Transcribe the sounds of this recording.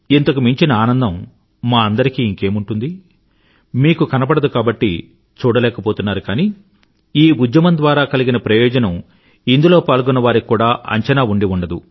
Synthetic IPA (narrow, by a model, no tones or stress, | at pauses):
int̪ɐk̬umiɲt͡ʃinɐaːnɐnd̪ɐmː | aːɐnd̪ɐɾikiːŋke̞ːmuɳʈund̪i | miːkukɐnɐpɐɽɐd̪ukaːbɐʈːi | t͡ʃuːɽɐlɛːkɐpo̞ːt̪unːaːɾukaːniː | iːud͡ʒ̪jɐmɐnd̪ʋaːɾaːkɐliɡinɐpɾɐjɔːd͡ʒɐnɐm | ind̪ulo̞ːpaːlɡunːɐʋaːɾikuːɽaːʔɐ̰ɲt͡ʃɐnaːuɳɖiuɳɖɐd̪u